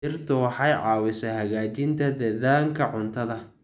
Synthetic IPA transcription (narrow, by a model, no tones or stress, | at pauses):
ɪrt̪ʰʊwɑħɑjʕɑːwɪsɐhɐɣaːt͡ʃɪnt̪ʰɐd̪ɛðaːŋkʰɐʕʊnt̪ʰɐðɐ